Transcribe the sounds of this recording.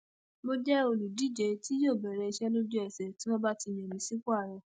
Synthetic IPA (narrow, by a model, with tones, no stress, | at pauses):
mo˧d͡ʒɛ˦o˧lu˨di˨˦˨d͡ʒe˨ti˦joː˦˨bɛ˨ɾɛ˧i˧ʃɛ˦lo˦d͡ʒu˦ɛ˨sɛ˨ti˦mɔ̃˧ba˦ti˧˨j̃ɛ̃˨mĩ˨˦si˦ku˦a˦˨ɾɔ˨˧